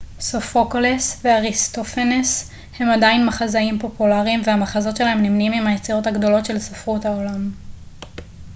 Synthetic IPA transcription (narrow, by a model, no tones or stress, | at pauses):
sofokolesveaʁist̪ofenes | he̞madainmaχazaimpo̞pulaʁimvehamaχazo̞tʃe̞laɦe̞mnimnimimhajet͡siʁo̞taɡdo̞lo̞tʃe̞lsafʁuthaolam